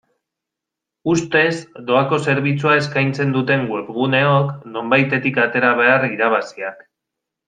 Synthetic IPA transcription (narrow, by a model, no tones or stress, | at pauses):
ust̪e̞zd̪o̞ako̞se̞ɾβ̞it͡suae̞skajnt͡se̞nd̪ut̪e̞ŋɡwuɾɣune̞o̞kno̞mbajt̪e̞t̪ikat̪e̞ɾaβ̞e̞ariɾaβ̞asiak